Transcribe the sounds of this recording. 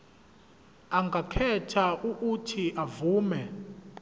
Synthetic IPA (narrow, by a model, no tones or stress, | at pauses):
aŋɡʱakʰɛtʰaʔuʔutʰiʔavuːmɛ